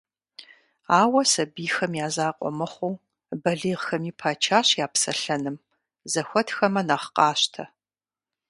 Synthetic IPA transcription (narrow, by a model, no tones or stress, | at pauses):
aːwɐsɐbiːxɐmjaːzaːqʷʼɔ̰mɨχʷow | bɐɮiːʁxɐmiːpʰaːt͡ʃʰaːɕjaːpsɐ̰ɬɐnɨm | zɐxʷɔtʰxɐmɐnɐχqʼɑːɕtʰɐ